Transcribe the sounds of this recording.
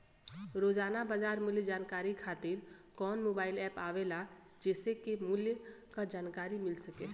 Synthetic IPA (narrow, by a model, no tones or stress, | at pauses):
ɾoːd͡ʒaːnabad͡ʒaːɾmʊljəd͡ʒaːnkaːɾikʰaːt̪ɪɾ | kɔːnmoːbaːɪlɛːpaːʋela | d͡ʒɛːsekemʊljkad͡ʒaːnkaːɾimɪlsəke